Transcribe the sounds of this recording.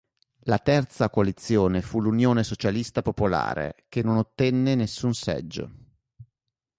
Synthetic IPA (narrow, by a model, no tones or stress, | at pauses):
lat̪ɛrt̪sakoalit̪sːjoːnefulunjoːnesot͡ʃalist̪apopola̰ːɾḛk̟enːonot̪ːɛnːenesːunsɛ̰d͡ʒːo̰